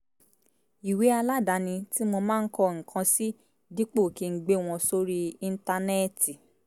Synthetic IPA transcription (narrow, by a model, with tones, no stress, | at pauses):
i˨we˨˦a˧la˦da˨˦nĩ˧ti˦mo˧mãː˦˧n̩˦kɔ˧ŋ̩˨kʰã˧si˦ | di˦k͡po˦˨ki˨˧˦ɡ͡be˦˨w̃ɔ̃˧so˦ɾi˦i˧n̩˦ta˧nɛ˦˨ti˨